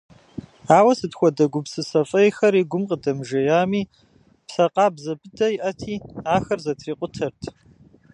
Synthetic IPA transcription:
aːwɐsɨtxʷɔdɐɡʷʊpsɨsɐfʼɐjxɐɾiːɡʷʊmqʼədɐmʒɐjaːmiː | psɐqʼɑːbzɐbɨdɐiʔɐtʰiːaːxɐrzɐtʰriːqʷʼʊtʰɐrtʰ

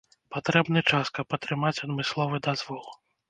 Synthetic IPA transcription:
pat̪ɾɛbnɨt͡ʂaskɐpɐt̪ɾɨmat͡sʲɐd̪mɨslˠɔvɨd̪azvɔlˠ

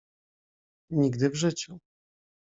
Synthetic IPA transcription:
ɲiɡd̪ɘvʐɘt͡ɕu

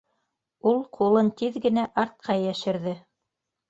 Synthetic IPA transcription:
ulˠqʰulˠɤnt̪iðɡɘ̆næʔɑɾt̪̚qʰɑjæʃɘ̆ɾðɘ

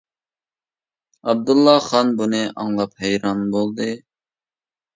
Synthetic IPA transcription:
ɑb̚d̪ulˠːɑχɑnbunɨʔɑŋlˠɑphɛjɾɑnbolˠd̪ɨ

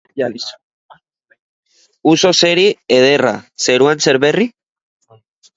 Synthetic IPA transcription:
uso̞se̞ɾieð̞e̞ra̰se̞ɾuanse̞ɾβeri

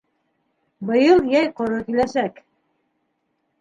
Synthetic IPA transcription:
bɤ̆jɤlˠjæjqŏɾokilæʃæk

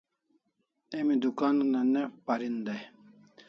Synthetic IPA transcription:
emid̪ukaːnunanepaɾind̪aj

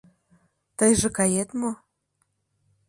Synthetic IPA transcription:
t̪əjʒĕkɑjet̪mo

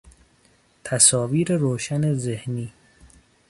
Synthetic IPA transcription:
t̪ʰæsɒːviːɾeɾoːʃænezehniː

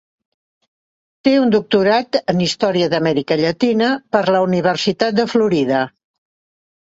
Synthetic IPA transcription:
t̪eund̪uk̚t̪uɾat̪ənist̪ɔɾiəðəmɛɾikəʎət̪inəpəɾləuniβ̞ərsit̪at̪̚d̪əfluɾiðə

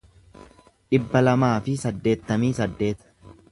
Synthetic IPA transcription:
ᶑɪbːɐlɐmaːfɪsɐd̪ːe̞ːt̪ːɐmiːsɐd̪ːe̞ːt̪ɐ̥

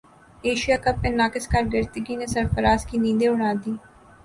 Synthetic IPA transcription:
eːʃijaːkɐpːenaːkɪskaɾɡəɾt̪ɪɡinesɐɾfəɾaːskinĩːd̪eʊɽ̃aːd̪iː

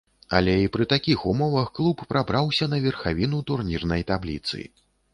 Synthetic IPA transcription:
ɐ̰lʲɛipɾɨt̪akʲixumɔvɐxklˠupːɾabɾawsʲɐn̪ɐvʲɛrxavʲin̪ut̪urnʲirnɐjt̪ablʲḭt̪sɨ̰

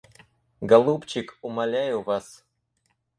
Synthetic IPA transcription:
ɡalˠupt͡ɕɪkumalʲæjuvas

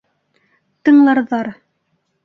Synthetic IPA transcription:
t̪ɤ̆ɴlˠɑɾðɑɾ

